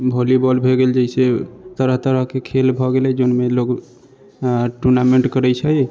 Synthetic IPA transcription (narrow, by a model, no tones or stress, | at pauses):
bʱolibɔlbʱeɡeld͡ʒəɪset̪əɾəɦt̪əɾəɦkekʰelbʱɔɡelɛd͡ʒonmeloɡ | ʈunameɳʈkəɾɛjt͡ʃʰəj